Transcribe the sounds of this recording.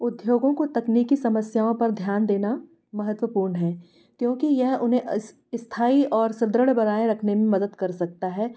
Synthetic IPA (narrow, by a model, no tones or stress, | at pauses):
ʊd̪joːɡõkot̪ɐkniːkisɐməsjaːõpɐɾd̪ʱjaːnd̪eːna | mɐɦət̪wəpuːɾnɦɛː | kjõːkijɛɦʊnɦẽʔs | ɪst̪ʰaːiɔːɾsɪd̪ɾəɽbɐɾaːẽɾɐkʰnemẽmɐd̪əd̪kɐɾsɐk̚t̪aɦɛː